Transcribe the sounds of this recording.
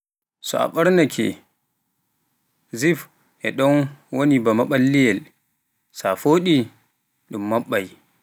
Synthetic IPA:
sɔ̰a̰ɓaɾnakʰɛ̰ | zif | ʔɛɗɔnwonibamaɓalːijɛl | safoɗi | ɗumːaɓːaj

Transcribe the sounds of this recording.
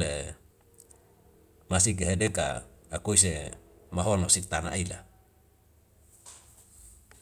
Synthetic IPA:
e | masik̬eɦedeka̰ːkois̬emaɦonosik̚t̪ana̰ʔila̰

